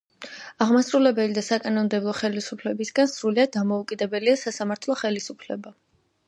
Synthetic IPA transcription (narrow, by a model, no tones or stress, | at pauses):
aʁmasɾulɛbɛlid̪asakʼanɔmd̪ɛblˠɔχɛlisupʰlɛbisɡansɾuliad̪̚ːamɔukʼid̪ɛbɛliasasamaɾt̪ʰlˠɔχɛlisupʰlɛba